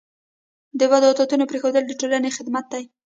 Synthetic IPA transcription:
d̪əwad̪ɑt̪ɑt̪unopɾexod̪əld̪əʈolanexɪd̪mat̪̚d̪aj

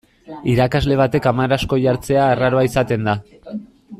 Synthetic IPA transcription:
iɾakazle̞β̞at̪e̞kamaɾasko̞ʝaɾt͡se̞aeraɾoaisat̪e̞nd̪a

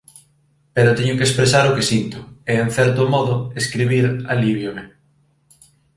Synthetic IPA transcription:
peɾʊt̪eɲʊkespɾesaɾʊkesint̪ʊɛen̟θɛɾt̪ʊmɔðʊeskɾiβ̞iɾaliβjome

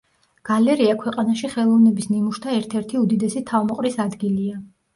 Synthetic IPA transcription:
ɡ̥alɛɾiakʰwɛqʼanaʃiχɛlˠɔvnɛbisnimuʃt̪ʰaɛɾt̪ʰɛɾt̪ʰiud̪id̪ɛsit̪ʰavmɔqʼɾisad̪ɡilia

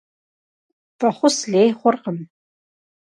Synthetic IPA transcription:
fʼɐχʷʊsɮeːjχʷʊrqəm

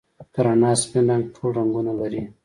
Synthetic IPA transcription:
kaɾanɑspindaŋɡʈʰolaŋɡunalaɾi

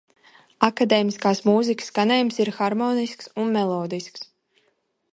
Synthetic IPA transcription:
akad̪ɛːmiskaːsmuzikə̥skanɛjmsiɾxaɾmɔːnisksunmɛlˠɔːd̪isks

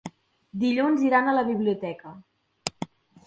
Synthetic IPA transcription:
d̪iʎunziɾanələβiβ̞liut̪ɛkə

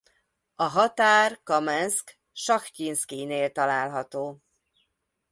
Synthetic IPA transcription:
ɒɦɒt̪aːrkɒmɛnsk | ʃɒxcinskineːlt̪ɒlaːlɦɒt̪oː

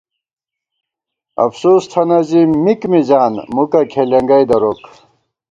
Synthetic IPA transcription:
ɐ̰fsoːst̪ʰɐnɐzimikmid͡ʑaːnmukɐkʰeleŋɡɐjd̪ɐɾok

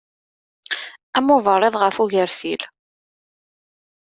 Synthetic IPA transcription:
æmʊvəɾˤːeðˤʁəfuʝəɾθil

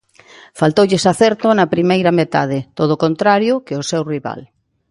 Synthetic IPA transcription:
falt̪owʎesaθeɾt̪onapɾimejɾɐmet̪að̞ɪt̪oð̞okont̪ɾaɾjʊkeosewriβa̰l

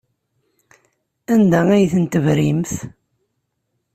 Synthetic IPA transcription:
ænd̪ææjθənt̪əvɾimθ

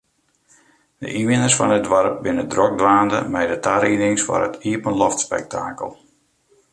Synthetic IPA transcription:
də̰ʔiʋɪnəsfɔnədʋɔɾəp̚bɪnədrɔk̚dʋaːndə̰mɛjdətaɾinɪŋsfɔ̰ɾətʰiəpənlɔftspɛ̰k̚tʰa̰ːkə̰lˠ

